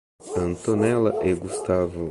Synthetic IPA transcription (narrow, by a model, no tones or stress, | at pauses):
ɐ̃nt̪onɛlɐʔeɡust̪avʊ